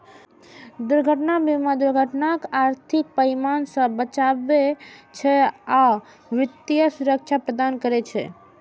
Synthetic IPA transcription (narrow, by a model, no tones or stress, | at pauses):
d̪uɾɡʱəʈnabʱimad̪uɾɡʱəʈnakaɾt̪ʰik̚pəimansə̃bət͡ʃabet͡ʃʰɛa | ʋit̪jəsuɾək̚t͡ʃʰapɾəd̪ankəɾɛt͡ʃʰɛ̰